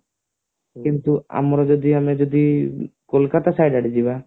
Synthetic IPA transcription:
kint̪ua̰mɾɔd͡ʒɔd̪iamed͡ʒod̪ikolkat̪asajɖaɽid͡ʒiβa

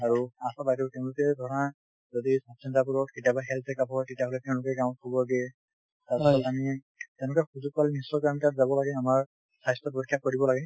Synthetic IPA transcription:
aɹuasabajtɔtɛʊ̃lʊkɛdʱɔɹɔna | zodisapsʰintap̬uɹɔtkitjabaɦɛlzɛkapʰɔɹtitaɦolɛtɛʊ̃lʊkɛɡãw̃ɔt̚kʰɔbɔlaɡɛ | taaɔtami | tɛʊ̃nʊkɛxuzuk̚palɛnisɔkantatzabɔlaɡɛamaɹ | sajstɔpɹɔkʰjak̚kːoɹibɔlaɡɛ

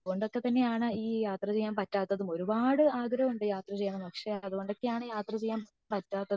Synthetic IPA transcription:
ɐuɣo̞ɳɖokːe̞t̪ɐnːe̞jaːɳɨiːjaːt̪rɐt͡ɕe̞jːaːmpɐtːaːt̪ːɐðumo̞ɾubaːɽɨaːɡɾɐmuɳɖɨjaːt̪rɐt͡ɕe̞jːɐɳɐmpɐkʂe̞ɐðuɣo̞ɳɖokːe̞jaːɳɨjaːt̪rɐt͡ɕe̞jːaːm | pɐtːaːt̪ːɐð

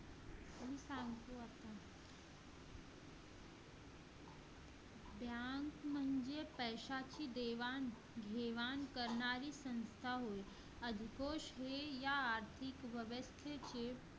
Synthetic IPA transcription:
ɦisãŋɡt̪oat̪a | bjaŋkm̤ənd͡ʑepəjɕat͡ɕiːd̪eʋan | ɡʱeʋankəɾɳaɾiːsə̃nst̪ʰaɦoj | əd̪ʱikoʃɦejaːɾt̪ʰikʋəʋəst̪ʰet͡ɕe

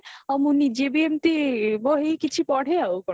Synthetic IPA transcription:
ɔmunid͡ʑebiemt̪iboɦikit͡ɕʰipɔɽ̤ʱeaokɔ

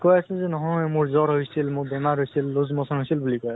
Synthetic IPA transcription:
kɔjasɛlzɛnɔɦɔmʊɹzɔɹɦojsilmʊɹbɛmaɹɦojsilːozmɔsɔnɦojsilbulikɔjas

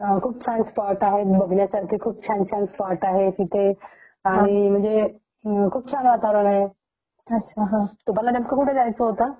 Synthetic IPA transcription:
kʰuːb̚t͡ɕʰãnspaɾʈaɦet̪bəɡʱnjasaɾkʰikʰuːb̚t͡ɕʰant͡ɕʰanspaɾʈaɦekit̪e | aɽ̃im̤əɳd͡ze | kʰuːb̚t͡ɕʰanʋat̪aɾənaɦe | ɐtːɕʰaɦãt̪upalːad̪emkəkuʈʰed͡zajt͡səɦot̪a

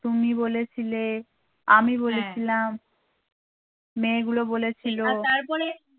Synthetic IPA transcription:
t̪umibolet͡ɕʰile | amiβolet͡ɕʰilam | eɡulobolet͡ɕʰilot̪aɾpɔɾe

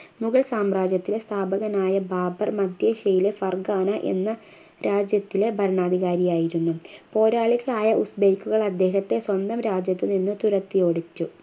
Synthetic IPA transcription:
muɣɐɭsaːmraːd͡ʑjɐt̪ːilest̪ʰaːbɐɣɐnaːjɐbaːbɐrmɐd̪ʱjeɕɐjilefɐrɡaːnɐʔe̞̰nːɐ | ɾaːd͡ʑjɐt̪ːile̞bʱɐɾɳaːd̪iɣaːɾijaːjiɾunːupo̞ːɾaːɭiɣɐɭaːjɐʔusbeːkːuɣɐɭɐd̪ːe̞ːɦɐt̪ːe̞swɐnd̪ɐmɾaːd͡ʑjɐt̪ːɨninːɨt̪uɾɐt̪ːijo̞ːɽitːu

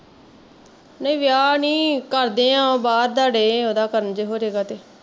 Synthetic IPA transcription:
nəĩːʋɪjaːnĩːkəɾd̪eːãːbaːɾd̪aːɽeːoːd̪aːkəɾənd͡ʒeːɦoːɾeːɡaːt̪eː

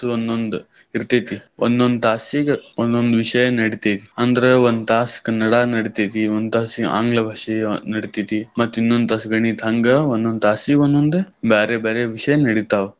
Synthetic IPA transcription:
ond̪ond̪u | iɾt̪ɐjt̪iond̪ond̪ut̪aːsiɡond̪ond̪uʋiʂɐjɐnɐɽit̪ijt̪iɐnd̪ɐɾeond̪t̪aːskɐnːɐɽanɐɽit̪ɐjt̪iond̪t̪aːsia̰ːŋɡlɐbʱɐʂinɐɽit̪it̪imɐt̪ːuinːond̪t̪aːsɡɐɳit̪ʰɐŋɡɐond̪ond̪t̪aːsiond̪ond̪ebeːɾebeːɾeʋiʂɐjɐnɐɽit̪aːʋe

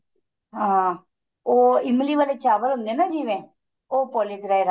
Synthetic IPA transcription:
ɦãː | oːɪmliːʋaːleːt͡ʃaːʋəlɦʊ̃nd̪ẽːnaːd͡ʒiːʋẽː | oːpɔːleːɡɾaːeɾa

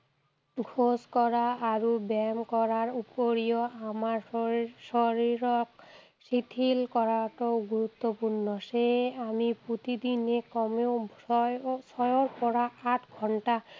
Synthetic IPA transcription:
ɡʱoskɔɾaaɾubɛmkɔɾaɾupoɾijoamaɾsɔɾiɾɔk | sit̪ʰilkɔɾaʈoɡuɾut̪ːopuɾnɔʃeamipot̪id̪inekɔmeo | sɔjoɾpɔɾaaʈɡʱɔnʈa

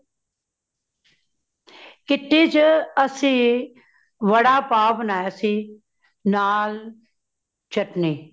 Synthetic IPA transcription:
kɪt̪eːd͡ʒəsĩː | ʋəɽaːpaːbnaːjasĩː | naːl | t͡ʃəʈniː

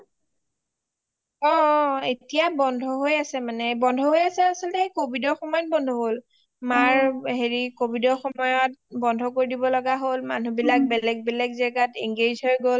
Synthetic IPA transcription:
ɔetijabɔndʱɔɦojasɛmanɛbɔndʱɔɦojasɛasɔltɛekobʱidɔxɔmɔjɔt̚bɔndʱɔɦol | maɹɦeɹikobʱidɔxɔmɔjɔt̚bɔndʱɔkoɹidibɔlɔɡaɦolma̰nubilak̚bɛlɛɡ̚bɛlɛɡzaɡatiŋɡezʱɦojɡol

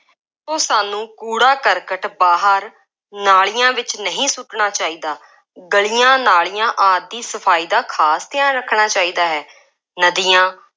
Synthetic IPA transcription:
sõːsaːnũːkuːɽaːkəɾkəʈbaːɦəɾ | naːɭijãːʋɪt͡ʃnəɦĩːsʊʈɳaːt͡ʃaːiːd̪aː | ɡəɭiːjãːnaːɭijãːʔaːd̪̚ːiːsəpʰaːiːd̪aːkʰaːst̪ɪãːɾəkʰːɳaːt͡ʃaːiːd̪aːɦɛː | nəd̪iːjãː

